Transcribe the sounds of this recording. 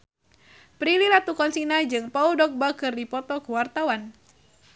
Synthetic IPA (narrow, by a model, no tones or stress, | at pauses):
pɾililat̪ukɔnsinad͡ʒɨŋpaudɔk̚bakɨrdipɔt̪ɔkuwart̪awan